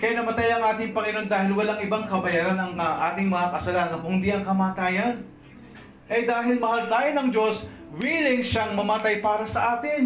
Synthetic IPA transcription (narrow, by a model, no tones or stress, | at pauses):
kɐjanɐmɐt̪ajɐŋʔaːt̪ɪŋpɐŋɪno̞nd̪aːhɪlwɐlaŋɪbaŋkɐbɐjaːɾanɐŋʔa̰ːt̪ɪŋmɐŋakɐsɐlaːnɐkʊnd̪iʔɐŋkɐmaːt̪aːjɐn | ʔɐjd̪aːɦɪlmɐhalt̪aːjonɐŋd͡ʒo̞s | wiːlɪŋʃaŋmɐmat̪ajpaːɾɐsɐʔaːt̪ɪn